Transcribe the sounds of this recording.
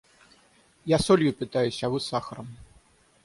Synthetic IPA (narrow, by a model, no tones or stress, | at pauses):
jasɔlʲjupʲit̪ajusʲavɨsaxɐɾɐm